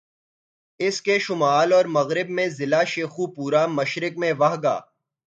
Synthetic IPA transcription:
ɪskeʃʊmaːlɔːɾmɐɣɾɪbmẽzɪlaʃeːxupuːɾamɐʃɾɪkmẽʋɐɦɡa̰ː

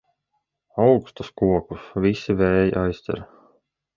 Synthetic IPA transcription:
ɑwku̥st̪ɑskuokusvisːivejʔɑjst̪ḛɾ

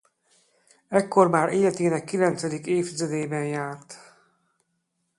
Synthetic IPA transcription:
ɛkːo̞rmaːɾeːlɛt̪eːnɛkːilɛnt̪sɛd̪ikeːft̪izɛd̪eːjbɛnjaːrt̪

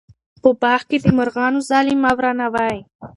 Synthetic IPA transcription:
pəbɑxked̪əmʊɾɣɑnozɑlɪmawɾɑnawɑj

